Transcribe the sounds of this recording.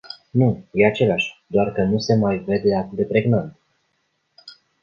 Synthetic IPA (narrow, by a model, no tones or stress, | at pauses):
nuje̞at͡ʃe̞laʃʲd̪oarkənuse̞majve̞d̪e̞at̪ɨd̪e̞pɾe̞ɡnant̪